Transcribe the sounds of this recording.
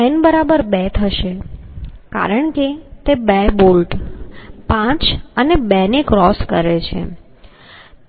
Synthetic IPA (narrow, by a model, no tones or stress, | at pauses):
ɛnbəɾabəɾbɛt̪ʰəʃe | ka̰ɾəɳket̪ebɛbolʈ | pãt͡ʃənebɛnekɾɔskəɾet͡ʃʰḛ